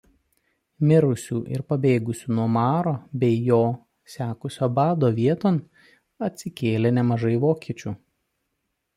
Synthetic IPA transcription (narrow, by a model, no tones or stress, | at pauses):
mʲɪɾʊsʲuːʔɪ̰ɾpɐbʲeːɡʊsʲuːnuɔmɑːɾoːbʲɛɪjoː | sʲæːkʊsʲoːbɑːd̪oːʋʲiɛt̪oːn | ɐt̪ʲsʲɪkʲeːlʲeːnʲɛmɐʒɐɪʋoːkʲiɛt͡ʃʲuː